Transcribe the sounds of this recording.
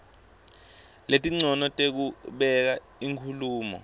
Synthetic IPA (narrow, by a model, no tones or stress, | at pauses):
letʼiŋ͡ǀɔnɔtʼek̬uɓɛk̬a | iŋkʰuluːmɔ̰